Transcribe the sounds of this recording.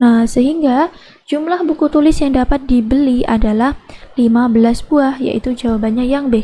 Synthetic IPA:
nahsəɦiŋɡa | d͡ʒumlahbukut̪ulɪsjaŋdapat̪̚dibəlia̰dalahlimabəlasbuahja̰ʔḭt̪ud͡ʒawabanɲajaŋbə

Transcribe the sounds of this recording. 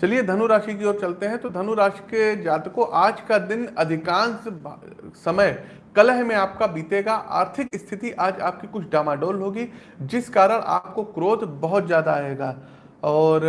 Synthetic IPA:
t͡ʃɐlied̪ʱɐnuɾaːʃik̬ioːɾt͡ʃɐlt̪eɦɛ̃t̪od̪ʱɐnuɾaːʃked͡ʒaːt̪koʔaːd͡ʒkad̪ɪnɐd̪ʱɪkaːns | sɐməj | kɐləɦmẽaːp̚kabiːt̪eːɡaʔa̰ːɾt̪ʰɪkɪst̪ʰɪt̪iʔaːd͡ʒa̰ːp̚kikʊt͡ʃʰɖaːmaːɖoːlɦoːɡi | d͡ʒɪskaːɾəɽ̃ʔa̰ːp̚kokɾoːt̪bɐɦʊt̪zjaːd̪aaːeːɡaː | ɔːɾ

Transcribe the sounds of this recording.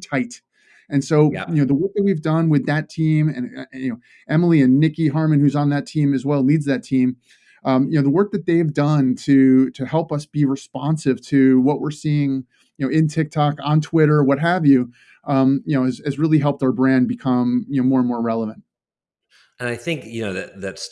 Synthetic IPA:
tʰaɪɾ | ɨ̃nsoʊjɨnoʊðəwɜ˞k̚ðɨt̚wivdʌ̃nwɨðɨtʰĩmɨ̃nɨnoʊ | ɛml̩ˠiɨ̃nːɪkiɦɑɹmɨ̃nhʉzn̩ðɨtʰĩmɨzwɛlˠnidzðɨtʰĩm | ʌ̃jɨnoʊðəwɜ˞k̚ðɨt̪̚ðeɪvdʌ̃ntʰɨɾɨhɛlˠpʌsb̥iɹɨspɑ̃nsɨv̥tʰɨwʌʔ̚wɪɹsiɪ̃ŋ | jɨnoʊɪ̃ntʰɪk̚tʰɑkn̩tʰw̥ɪɾə˞wʌt̚ɦɨvjʉ | ʔʌ̃mjɨnoʊɨzɨzɹɪlˠiɦɛlˠp̚taʊə˞bɹæ̃nbɨkʰʌ̃mjɨnoʊmɔɹə̃nmɔɹɹɛlˠəvɨ̃nt̚ | ɨ̃naɪθɪ̃ŋkjɨnoʊðɨt̚ðæts

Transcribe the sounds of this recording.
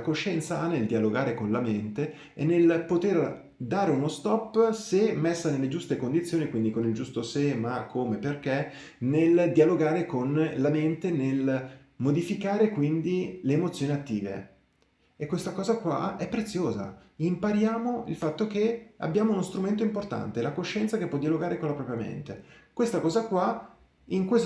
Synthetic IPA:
akoʃːɛnt̪saanːeld̪ialoɡaːɾekonlament̪e | enːelpot̪er | d̪aːɾeunost̪ɔpːsemesːanelːed͡ʒust̪ekond̪it̪sjoːnikwind̪ikonild͡ʒust̪osemakʰːomeperk̟e | neld̪ialoɡaːɾekonlament̪enel | mod̪ifikaːɾekwind̪ileːmot̪sjoːniat̪ːiːvḛ | ekːwest̪akɔːzakwa̰ɛpːɾet̪sːjoːza̰ | impaɾjaːmoilfat̪ːokea̰bːjaːmounost̪ɾument̪oimport̪a̰nt̪elakoʃːɛnt̪sakepːɔd̪ialoɡaːɾekonlapɾɔːpɾjamḛnt̪ekwest̪akɔːzakwa | iŋkwes

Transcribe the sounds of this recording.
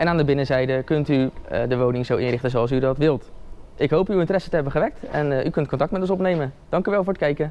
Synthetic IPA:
ʔɛnaːndəbɪnəzɛjdəkɵntydəʋownɪŋzowʔɪnrɪχtənzoɑlˠs̬ydɑtʋɪlˠtʔɪkɦowpywɪntərɛsətəɦɛbəχəʋɛk̚tɛnʔykɵnt̚kɔntɑk̚tmɛtɔnsɔpnejmənd̥ɑŋkyʋɛlˠvʊːɹətkɛjkə

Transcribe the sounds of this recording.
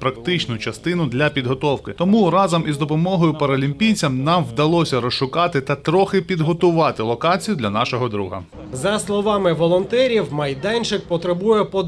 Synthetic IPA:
pɾɐkt̪ɪt͡ʃnʊt͡ʃɐst̪ɪnʊd̪lʲɐpʲid̪ɦɔt̪ɔwkɪt̪ɔmuɾɑzɐmʔizd̪ɔpɔmɔɦɔjʊpɐɾɐlʲimʲpʲijt͡sʲɐmnɑmʋd̪ɐlˠɔsʲɐɾɔsʃʊkɑt̪ɪt̪ɐt̪ɾɔxɪpʲid̪ɦɔt̪ʊʋɑt̪ɪlˠɔkɑt͡sʲijʊd̪lʲɐnɑʃɔɦɔd̪ɾṵɦɐ̰ | zɐslˠɔʋɑmɪʋɔlˠɔnt̪ɛɾʲiwmɐjd̪ɛnʲt͡ʃɪk̚pɔt̪ɾebujɛpɔ

